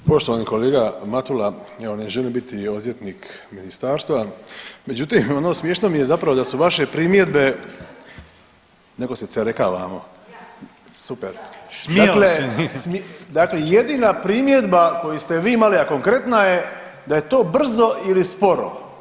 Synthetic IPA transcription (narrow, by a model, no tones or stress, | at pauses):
po̞ʃt̪oaniko̞leːɡamat̪ulaeo̞neʒelimbit̪io̞d̪jet̪nikminist̪aːɾst̪ʋame̞d͡ʑut̪imo̞no̞ːsmjeʃnomijezapɾaʋo̞d̪asuʋaʃe̞pɾimjed̪be̞ | ne̞ko̞seseɾekaʋa̰ːmo̰ | supeɾsmd̪aklesmd̪aklejed̪iːnapɾimje̞d̪bako̞just̪eʋiːimaliako̞ŋkɾe̞t̪naje̞ | d̪aje̞t̪o̞ːbr̩zoilispo̞ɾo̰